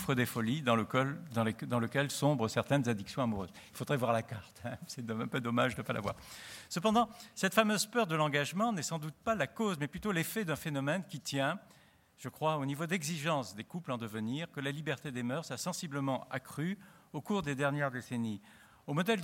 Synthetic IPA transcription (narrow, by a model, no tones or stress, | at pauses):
fχəd̪efɔlid̪ɑ̃əkd̪ɑ̃ed̪ɑ̃ləkʲɛlsɔ̃bʁəsɛʁt̪ɛnzad̪iksjɔ̃amuʁø̰ːz | ilfod̪ʁɛvwaʁlakaʁt̪ɛ̃sɛd̪ɔɛ̃pød̪ɔmaʒnəpalʔa̰vwa̰ʁsəpɑ̃d̪ɑ̃sɛt̪famøzpœʁd̪əlɑ̃ɡaʒmɑ̃nɛsɑ̃d̪ut̪̚palakozmɛplyt̪olefɛd̪ɛ̃fenɔmɛnkʲit̪jɛ̃ | ʒ̥əkχwaonivod̪ɛɡziʒɑ̃sd̪ekuplɑ̃d̪əvəniʁkəlalibɛʁt̪ed̪emœʁsasɑ̃sibləmɑ̃akχyokuʁd̪ed̪ɛʁnjɛʁd̪eseni | omɔd̪ɛld̪